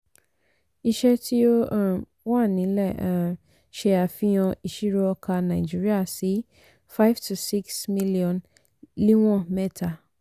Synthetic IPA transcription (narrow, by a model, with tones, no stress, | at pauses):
i˧ʃɛ˦ti˦o˦˨ | wa˦˨nĩ˨˦lɛ˦˨a˨ | ʃe˧a˨fĩ˦jɔ̃˧i˧ʃi˦ɾɔ˦ɔ˧kʰa˧nã˨i˨d͡ʒi˦ɾi˦a˦˨si˨˦ | fa˦jvtʰu˨si˦ksmi˦li˦ɔ̃˨n | li˦w̃ɔ̃˦˨mɛ˦tʰa˨